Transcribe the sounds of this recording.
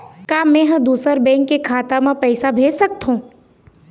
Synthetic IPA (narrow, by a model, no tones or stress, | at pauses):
kaːmɛ̃ɦɐ̃d̪uːsəɾbɛ̃ːŋkːekʰaːt̪amãpɛːsabʱeːd͡ʒsək̚t̪ɦũː